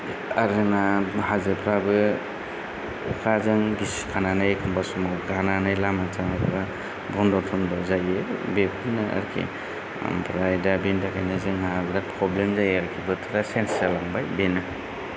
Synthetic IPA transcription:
aɾɯnahazɯpʰɾabɯ | kʰazɯŋɡiskʰananajkʰɔmbasmɔɡananajlamatʰaŋatʰɯɾa | bɔndɔtʰɔnbazajɯbepʰɯnaa̰ɾkʰḭ | pʰɾajdabendakʰajnazɯŋnaɡɾapʰɾɔblemzajaɾkʰibɯtʰɯɾasensalaŋbajbena

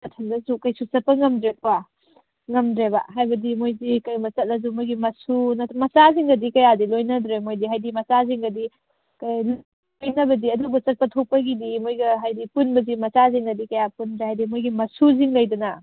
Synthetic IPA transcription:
kɐtʰɐndɐzukɐjsusɐpːɐŋɐmdɾet̚wa | ŋɐmdɾeba̰ɦajbɐdimojzikɐjmɐt͡ʃɐt̚ɐz̬umojɡimɐsunɐmɐsaziŋɡɐdikɐjadilojnɐdɾemojdiɦajdimɐsaziŋɡɐdi | kɐj | ojnɐbɐdiɐdubɐt͡ʃɐt̚pɐtʰok̚pɐɡidimojɡɐɦajdipunbɐzimɐsaziŋɡɐdikɐjapundɾehajdimojɡimɐsuziŋlɐjdunɐ

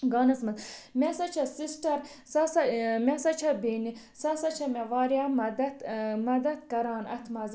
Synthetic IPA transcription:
ɡɑːnɐsmɐzmʲɛsɐt͡ʃʰɐsisʈɐɾ | sɐsɐmʲasɐt͡ʃʰɐbiːni | sɐsɐt͡ʃʰɐmʲɐʋaːɾjamɐd̪ɐt̪mɐd̪ɐt̪̚kɐɾɑːnɐ̰t̪ʰmɐz

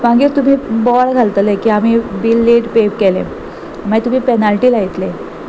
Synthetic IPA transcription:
maɡiːɾt̪um̤iːbɔɭɡʱalt̪əlekiːam̤iːbilːeʈpep̚kelḛ̃ | mat̪um̤iːpenalʈiːlaɦit̪le

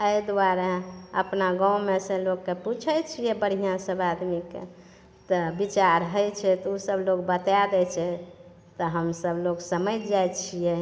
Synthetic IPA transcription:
əjd̪waɾaə̰pnaɡãũmesẽlokːeput͡ʃʰət͡ʃʰijɛbəɽ̤ijãsəbad̪mikḛ | t̪ɔbit͡ʃaɾɦəjt͡ʃʰɛt̪ɔusəblokbət̪ad̪ɛt͡ʃʰɛ | t̪ɔɦəmsəbloksəməd͡ʒd͡ʒajt͡ʃʰijɛ

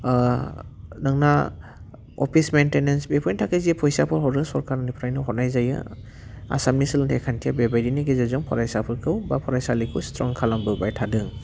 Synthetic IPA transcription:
nɯŋna | ɔ̰pʰismentenensbepʰɔjntʰakɯziepʰɔjsapʰɯɾɦɔɾɯsɔɾkaɾnipʰɾajnɯɦɔnajzajɯ̰ | a̰samnisɯlɯntʰekʰantʰijabebajdiniɡezezɔŋpʰɔɾajsapʰɯɾkʰɯwbapʰɔɾajsalikʰustɾɔŋkʰalambɯbajtʰadɯŋ

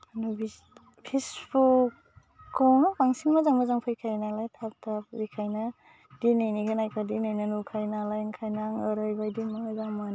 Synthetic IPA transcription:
anubi | pʰesbukː | ɔnapaŋsiŋmazaŋmazaŋpʰɯjkʰajnalajtʰap̚tʰapbikʰajna | dinajniɡʰanajkʰadinajnanukʰajnalajŋkʰajnaŋɯɾajbajdinaadaŋman

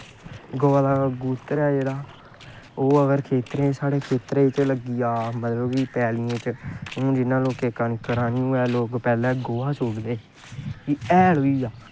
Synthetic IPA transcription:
ɡoːaːlaːɡuːt̪ɾɛːd͡ʒeːɽaː | oːəɡəɾkʰeːt̪ɾẽːsaːɽeːkʰeːt̪ɾẽːt͡ʃləɡiːaːmət̪ləbiːpɛːlɪːẽːt͡ʃõːd͡ʒɪnãːloːkeːkanikəɾaːniːũːɛːloːkpɛːlɛ̃ːɡoːaːsoːɡd̪eː | iɛːloiːaː

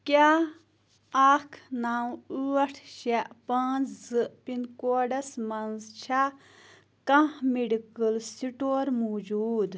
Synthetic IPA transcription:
kʲa | akʰnawuɐʈʰʃɛʔpɐːnt͡sʰzɨʔpinkoːɖɐsmɐnzt͡ʃʰa | kãhmiɖikɨlsiʈoːɾmoːd͡ʒuːd̪

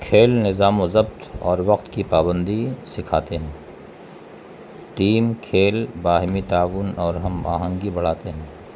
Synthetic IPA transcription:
kʰeːlnɪzaːmozɐbt̪ɔːɾʋɐqt̪kipaːbə̃nd̪isɪkʰaːt̪eɦɛ̃ː | ʈiːmkʰeːlbaːɦɪmit̪aːʋʊnɔːɾɦɐma̰ːɦãːŋɡibɐɽ̤aːt̪eɦɛ̃ː

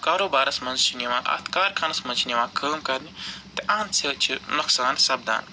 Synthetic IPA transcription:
kaːɾoːbaːɾɐsmɐnzt͡ʃʰiniʋãːʔɐ̰t̪ʰkaːɾkʰɐnɐsmɐnt͡ʃʰiniʋãːkʰəːmkɐɾnit̪eʔãːnt͡sʰeːt͡ʃʰinoksaːnsɐbd̪a̰ːn

